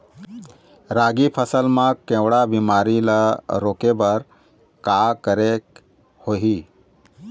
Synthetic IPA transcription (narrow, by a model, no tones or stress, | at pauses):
ɾaːɡipʰəsəlmãkẽwɽabimaːɾiləɾoːkebəɾ | kakəɾek | hoːɦi